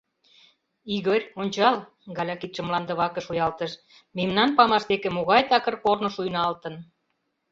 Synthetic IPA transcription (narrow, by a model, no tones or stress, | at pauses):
iɣərʲonʲt͡ɕɑl | ɡɑlʲɑkit̪ʃə̆mlɑnd̪ə̆βɑkə̆ʃujɑlt̪əʃ | memnɑnpɑmɑʃd̪ekĕmoɣɑjt̪ɑkə̆rkornŏʃujnɑlt̪ə̆n